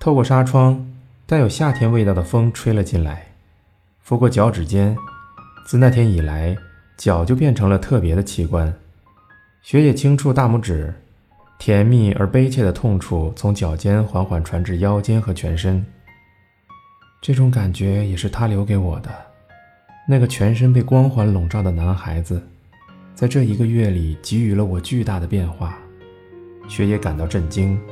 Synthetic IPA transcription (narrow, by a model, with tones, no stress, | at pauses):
t̪ʰo˥˧ʊkwɔ˥˩ʂa˥ʈ͡ʂʰwɑ˥ŋ | t̪a˥˩njo˨˩ʊɕja˥˩t̪ʰjɛ˥nwe˥˧ɪt̪ɑ˥˩d̪ə˩fɤ˥ŋʈ͡ʂʰwe˥ɪlə˧t͡ɕi˥˩nla̰˧˥ɪ | fu˥kwɔ˥˩t͡ɕjɑ˧˥ʊʈ͡ʂɻ̩˨˩t͡ɕjɛ˥nt͡sɹ̩˥˧na˥˩jɛ˥ni˨˩la˧˥ɪ | t͡ɕjɑ˨˩ʊt͡ɕjo˥˧ʊp̬jɛ˥˩nʈ͡ʂʰɤ˧˥ŋlə˧t̪ʰɤ˥˩pjɛ˧˥d̪ə˧t͡ɕʰi˧˥kwa˥˩n | ɕɥɛ˧˥t͡ɕɛ˨˩t͡ɕʰi˥ŋʈ͡ʂʰu˥˧t̪a˥˧mu˥˩ʈ͡ʂɻ̩˨˩˦ | t̪ʰjɛ˧˥nmi˥˩ə̰˞˧˥pe˥ɪt͡ɕʰjɛ˥˩d̪ə˩t̪ʰʊ˥˧ŋʈ͡ʂʰu˥˩t͡sʰʊ˧˥ŋt͡ɕjɑ˨˩ʊt͡ɕjɛ˥nxwa˧˥nxwa˨˩nʈ͡ʂʰwa˧˥nʈ͡ʂɻ̩˥˩jɑ˥ʊt͡ɕjɛ˥nxɤ˧˥t͡ɕʰɥɛ̰˧˥nʂə˥n | ʈ͡ʂɤ˥˩ʈ͡ʂʊ˧˥ŋka˨˩nt͡ɕɥɛ˧˥jɛ˨˩ʂɻ̩˥˩t̪ʰa˥ljo˧˥ʊke˧˥ɪwɔ˨˩d̪ə˦ | na˥˩ɡə˩t͡ɕʰɥɛ˧˥nʂ̬ə˥np̬e˥˩ɪkwɑ˥ŋxwa˧˥nlʊ˨˩ŋʈ͡ʂɑ˥˩d̪ə˩na˧˥nxa˧˥ɪd͡zɹ̩˧ | t͡sa˥˧ɪʈ͡ʂɤ˥˩i˧˥ɡə˧ɥɛ˥˩li˨˩t͡ɕi˧˥y˨˩lə˧wɔ˨˩t͡ɕy˥˧t̪a˥˩d̪ə˩pjɛ˥˧nxwa˥˩ | ɕɥɛ˧˥jɛ˧˥ka˨˩nt̪ɑ˥˧ʊʈ͡ʂə˥˩nt͡ɕi˥ŋ